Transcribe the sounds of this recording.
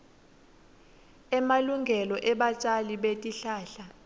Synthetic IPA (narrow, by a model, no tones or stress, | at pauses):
ɛmaluŋɡʱɛlɔʔɛɓat͡ʃʼaliɓetʼiɬaːɬa